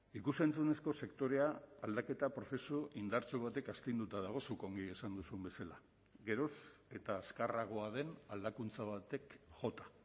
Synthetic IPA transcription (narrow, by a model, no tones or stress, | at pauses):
ikuse̞nt͡sune̞sko̞se̞kt̪o̞ɾe̞aald̪ake̞t̪apɾo̞θe̞suʔind̪aɾt͡soβ̞at̪e̞kast̪ijnd̪ut̪aðaɣ̞o̞sukoŋɡiesand̪usumbe̞sala | ɡe̞ɾo̞se̞t̪aːskaraɣ̞o̞aðe̞nald̪akunt͡saβat̪e̞kʝo̞t̪ḁ